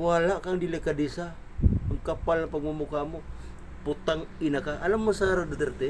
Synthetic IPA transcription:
walakaŋdilekadisa | aŋkapalapaŋumukamu | put̪aŋinakaŋalamːəsaɾadat̪ərt̪ɛ

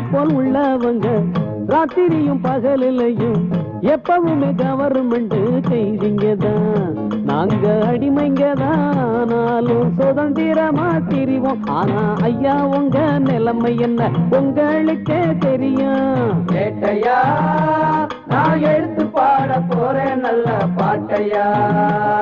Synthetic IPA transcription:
pːoːlʊɭːɐʋɐŋɡɐ | ɾaːt̪ɪɾɪjɯmpɐɣɐlɪlːɐjɯm | ɛpːɐʋɯmeːkɐʋɐɾɯmɛɳɖɯkɐjʋɪŋɡɐðãː | na̰ːŋɡɐɐɽɪmɐɪŋɡɐðãaːnaːlɯmsɔðɐnd̪ɪɾɐmaːt̪ɪɾɪʋoːmaːnaːlʔɐjːaːɔŋɡɐnɪlɐmɐɪjɛnːɐʊŋɡɐɭɯkːet̪ɛɾɪjaːkeːʈːɐjaː | naːɛɻɯt̪ːɯpːaːɽɐpːoːɾeːnɐlːɐpaːʈːɐjaː

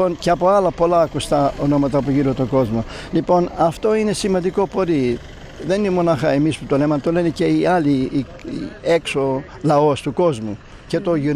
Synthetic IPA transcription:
onceɐpo̞ɐlɐpo̞lɐːkust̪ɐono̞mɐt̪ɐpoʝiɾot̪o̞ɡo̞zmo̞lipo̞nɐft̪o̞ine̞simɐnd̪iko̞po̞ɾi | ðe̞ninemo̞nɐxɐemisput̪o̞lemɐt̪ole̞nece̞iɐli | e̞kso | lɐo̞st̪uko̞zmu | ce̞t̪o̞ʝu

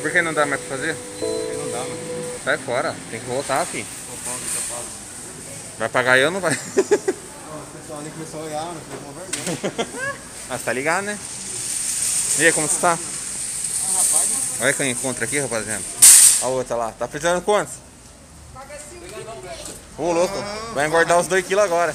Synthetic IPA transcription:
poɾkẽnɐ̃d̪amajspɾɐfazeɾ | kenɐ̃w̃d̪amasajfɔɾɐt̪ẽj̃kɪvowt̪aaki | opãkitepas | vajpaɡaewnɐ̃vaj | pesaĩkpesaojamɐpekkõveɾsɐ̃ | ast̪aliɡad̪ʊnɛ | ekõmʊsɪ̥t̪a | hapazɔlɐkẽw̃ẽkõnt̪ɾakihapaziɐ̃nʊaot̪ɾɐlat̪apɾezizɐ̃nd̪ʊkwɐ̃t̪ʊs | paɡasĩ | olokʊvãjɡwaɾd̪aʊzd̪ojkilʊaɡɔɾɐ

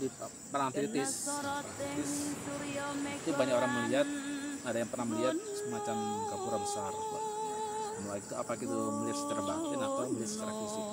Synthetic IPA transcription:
di | pənat̪ɾit̪ɪsiɪs | it̪ubaɲakoɾaŋməliɦat̪̚adajaŋpərnahməliɦat̪̚səmat͡ʃamkapuɾabəsart̪a̰ | mulakit̪ua̰pakit̪uməliat̪sə̥t͡ʃaɾabat̪ɪnapamliat̪̚sə̥kaɾakkusi

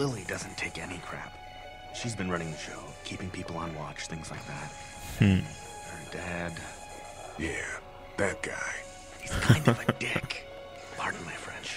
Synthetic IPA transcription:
lɪlˠidʌzɨ̃n̩tʰeɪkɛnikʰɹ̥æ̰p̚ | ʃizbɨ̃nɹʌɾ̃ɪ̃ŋðɨʃoʊkʰipɪ̃ŋpʰipl̩ˠə̃nwɑt͡ʃθɪ̃ŋzlaɪk̚ðæt̩̚ | ədæd | jæ | ðæt̚ɡ̥a̰ɪ | hiz̥kʰaɪ̃ndvʌdɪk | pʰɑɹɾʌvmaɪfɹɛ̰̃nʃ

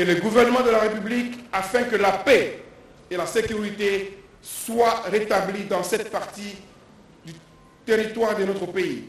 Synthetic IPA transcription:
eləɡuvɛʁnəmɑ̃d̪əlaʁepyblikafɛ̃kəlapɛ | elasekʲyʁit̪e | swaʁet̪ablid̪ɑ̃sɛt̪̚paʁt̪i | d̪y | t̪eʁit̪waʁd̪enot̪χəpei

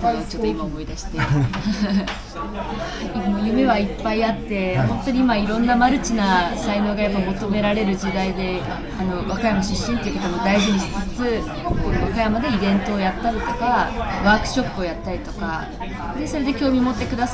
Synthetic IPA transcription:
t͡ɕo̞t̪ːoimaomo̞id̪aɕi̥t̪e | mojɯ̟me̞βaipːaiat̪ːe̞hõ̞nt̪o̞ɲ̟iimaiɾõ̞nːamaɾɯ̟t͡ɕinasaino̞ːɡajapːamo̞t̪o̞me̞ɾaɾe̞ɾɯ̟ʑid̪aid̪e̞ | ano̞βakajamaɕɨɕːĩnt̪eiɯkot̪omod̪aiʑiɲ̟içi̥t͡sɨt͡sɨ | koːβakajamad̪e̞ibẽ̞nt̪o̞ːjat̪ːaɾit̪o̞̥kaβaːkɯ̟̥ɕo̞pːɯo̞jat̪ːaɾʲit̪o̞ka̰ | d̪e̞so̞ɾe̞d̪e̞kʲo̞ːmʲimo̞t̪ːekɯ̟d̪as

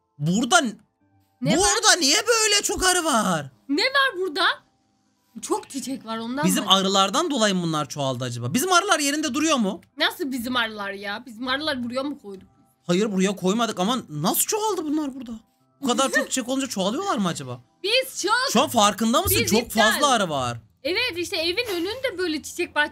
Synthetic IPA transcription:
buɾd̪a | nbuɾd̪anijɛbøjlʲɛt͡ʃʰo̞kaɾɯvaɾ̥nɛvaɾbuɾd̪a | t͡ʃʰokt͡ʃʰit͡ʃʰɛcvaɾo̞nd̪abizzimaɾɯlˠaɾd̪and̪o̞lˠajɯmbunlˠaɾt͡ʃʰoalˠd̪ɯad͡ʒaba̰ːbizimaɾɯlˠaɾje̞ɾind̪ɛd̪uɾujo̞munasɯlˠbizimaɾɯlˠaɾjabizimaɾɯlˠaɾbuɾujoɾmukʰo̞jd̪uk̚ | hajɯɾbuɾujakʰo̞jmad̪ɯkamanasɯlˠt͡ʃʰoalˠd̪ɯbunlˠaɾbuɾd̪a | bukʰad̪aɾt͡ʃzʰo̞k̚t͡ʃʰi̥t͡ʃʰɛkound͡ʒat͡ʃʰoalˠɯjo̞lˠaɾmɯad͡ʒabaːbiz̥t͡ʃʰoʃuanfaɾkɯnd̪amɯsɯt͡ʃʰo̞kfazlˠaaɾɯvaɾ | ɛvɛt̪iʃt̪ɛevinønynyd̪ɛbø̞jlʲɛt͡ʃʰi̥t͡ʃʰɛc̚ba

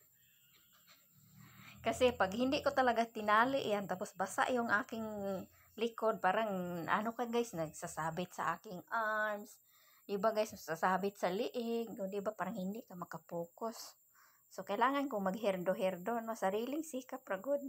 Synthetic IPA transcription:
kɐsɛpaɡhɪnd̪ɪʔkot̪ɐlaɡat̪ɪnaːlɪʔjant̪aposbasa̰ʔjoŋʔaːkɪŋ | lɪkod̪̚paːɾaŋʔa̰nokaɡajsnɐɡsasaːbɪt̪̚sa̰ʔa̰ːkɪŋaɹms | d̪ɪbaɡajsmaɡsasaːbɪt̪̚salɪʔɪɡ̚ʊnd̪ɪbapaːɾaŋhɪnd̪ɪʔkamɐkapuːkosː | okɐilaːŋankʊŋmɐɡɦɛɾd̪oɦɛɾd̪onasaɾiːlɪŋsiːkap̚ɾaɡʊd̪̚

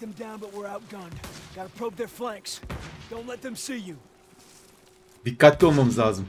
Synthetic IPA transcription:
ðɛ̃mdãʊ̃nbʌt̚wɪɹaʊt̚ɡ̥ʌ̃nɡ̥ɑɾəpʰɹ̥oʊp̚ðə˞flæ̃ŋksd̥õʊ̃ntˡlɛt̪̚ðɛ̃msiju | d̪ikat̪omɔ̃mzazm

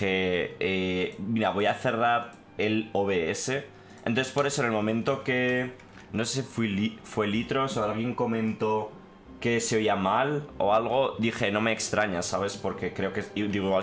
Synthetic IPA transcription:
eemiɾaβo̞jaθe̞raɾ | e̞loβe̞ese̞ | ẽnonθespo̞ɾe̞sonelmõ̞mẽnt̪o̞ke̞ | no̞se̞sifwilifwe̞lit̪ɾo̞soalɣje̞ŋko̞mẽ̞nt̪o̞ | ke̞seo̞iamalo̞̰alɣ̞o̞ðixe̞nõ̞me̞ːkst̪ɾaɲasaβ̞e̞spo̞ɾke̞kɾe̞okeiðiɣo

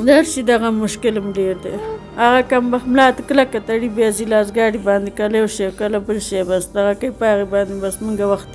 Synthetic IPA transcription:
d̪aɾʃid̪aɣamʊʃkɪlmleɾd̪ḛ | aɣakambaxmlɑːt̪klakat̪aɽibezilɑːsɡɑːɽibɑːnd̪ekaljawʃewkalabəlʃebasd̪aɣakajpɑɣibɑːnd̪ebasmuŋɡawaxt̪̚

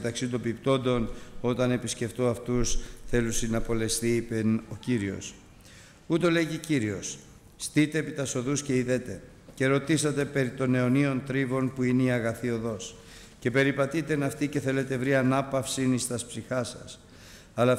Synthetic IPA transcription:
t̪ɐksit̪obipt̪o̞nd̪o̞no̞t̪ɐne̞pisce̞ft̪o̞ɐft̪usθe̞lusinɐpo̞le̞st̪iipeno̞ciɾio̞̰s | ut̪o̞le̞ʝiciɾio̞s | st̪it̪e̞ːpit̪ɐso̞ðusce̞iðet̪e̞ | ce̞ɾo̞t̪isɐt̪e̞pe̞ɾit̪o̞ne̞o̞nio̞nt̪ɾivo̞npuineiɐɣɐθio̞ðo̞s | ce̞pe̞ɾipɐt̪it̪e̞nɐft̪ice̞θe̞le̞t̪e̞vɾiɐnɐpɐfsinist̪ɐspsixɐsɐs | ɐlɐ

